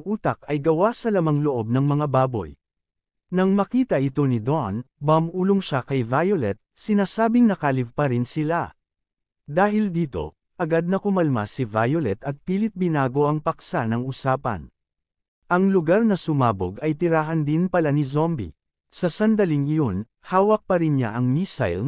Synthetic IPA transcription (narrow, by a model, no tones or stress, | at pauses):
ŋʔuːt̪ɐk̚ɐjɡɐwasɐlɐmaŋloʔo̞b̚nɐŋmɐŋabaːbo̞̰j | nɐŋmɐkiːt̪ɐʔɪt̪o̞nid̪onmɐmʔuːloŋʃakɐjvajolɛt̪̚sɪnaːsaːbɪŋnɐkalɪv̚pɐɾɪnsɪla | d̪aːɦɪld̪iːt̪o̞̰ | ʔɐɡad̪̚nɐkʊmɐlmasivajolɛt̪ɐt̪̚piːlɪt̪̚bɪnaːɡo̞ʔɐŋpɐk̚sanɐŋʊsaːpɐ̰n | ʔɐŋlʊɡaɾnɐsʊmaːbo̰ɡɐjt̪ɪɾaːɦɐnd̪ɪnpɐlanizombḭ | sɐsɐnd̪ɐliŋjon | haːwɐk̚pɐɾɪnɲa̰ʔɐŋmisa̰jl